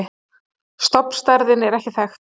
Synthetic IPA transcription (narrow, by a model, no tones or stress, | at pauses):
st̪ɔpn̥st̪aɾðɪnɛɾɛhcɪθɛx